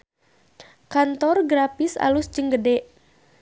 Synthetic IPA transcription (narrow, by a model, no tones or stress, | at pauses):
kant̪ɔrɡɾafisa̰lusd͡ʒɨŋɡədɛʔ